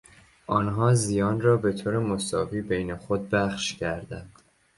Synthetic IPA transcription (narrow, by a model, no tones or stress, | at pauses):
ʔɒːnɦɒːzijɒːnrɒːbe̞t̪ʰoːɾemosɒːviːbejnexod̪̚bæχʃcʰæɾd̪ænd̪̥